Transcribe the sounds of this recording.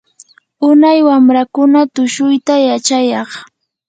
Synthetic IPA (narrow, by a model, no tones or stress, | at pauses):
ʊnajwamɾakʊnat̪ʊʃʊjt̪ajat͡ʃajɑχ